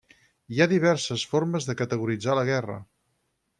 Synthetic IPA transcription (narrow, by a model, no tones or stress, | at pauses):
iaðiβ̞ɛɾsəsforməzðəkət̪əɣuɾid͡zaləɣɛrə̰